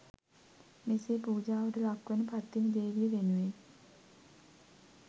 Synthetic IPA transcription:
meseːpuːd͡ʒaːʋəʈəlakːʋenəpat̪ːinəd̪eːʋijəʋenuʋe

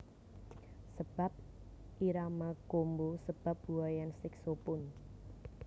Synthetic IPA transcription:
səb̥a̤p̚ | ʔiɾamakombosəb̥a̤p̚buajansɪksopʊn

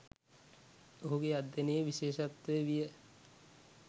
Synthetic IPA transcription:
oɦuɡead̪ːenəjəʋiʃeːʃat̪ʋəjəʋijə

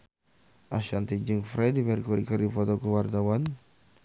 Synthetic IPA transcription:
ʔaʃant̪id͡ʒɨŋfɾɛdipɛrkɔɾikardifɔt̪ɔkuwart̪awan

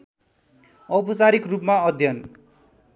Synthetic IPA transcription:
ʌwpʌt͡saɾikrupmaʌd̪ʱjʌn

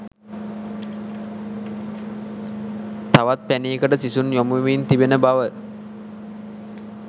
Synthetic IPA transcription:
t̪aʋat̪̚pæniːkəʈəsisunjomuʋiːnt̪ibenəbaʋə

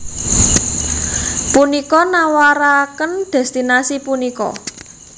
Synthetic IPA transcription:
punikɔnawaɾakənd̪̥ɛ̤st̪inasipunikɔ̰

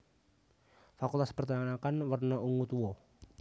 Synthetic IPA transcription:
fakult̪aspərt̪aŋanakanwarnaʔuŋut̪uɔ

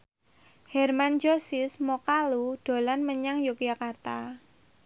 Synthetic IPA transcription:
hɛrmand͡ʒosɪsmokaluɖ̥o̤lanməɲaŋjokijakart̪a

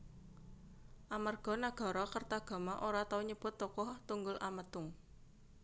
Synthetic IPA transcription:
ʔamarɡ̥ɔ̤naɡ̥ɔ̤ɾɔkərt̪aɡ̥a̤maʔoɾat̪auɲəb̥ʊ̤t̪ːɔkɔht̪uŋɡʊlʔamət̪ʊŋ

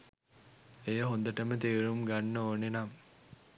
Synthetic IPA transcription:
ejəɦond̪əʈəmət̪iːɾumɡanːəoːnenam

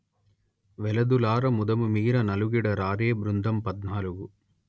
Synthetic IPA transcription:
ʋɛlɐd̪ulaːɾɐmud̪ɐmumiːɾɐnɐluɡiɽɐɾaːɾeːbɾund̪ʱɐmpɐd̪naːluɡu

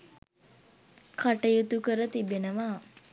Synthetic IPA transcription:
kʰaʈəjut̪ukəɾət̪ibenəʋa

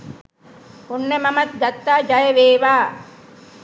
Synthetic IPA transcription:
onːemɐmɐt̪̚ɡ̪ɐt̪ːaːd͡ʒajeʋeːʋaː

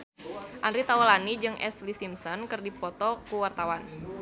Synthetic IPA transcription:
ʔandɾit̪awɔlanid͡ʒɨŋʔɛ̰slisimsɔnkɨrdipɔt̪ɔkuwart̪awan

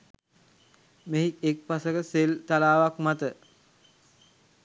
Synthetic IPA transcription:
meɦikek̚pasəkəselt̪alaːʋakmat̪ə

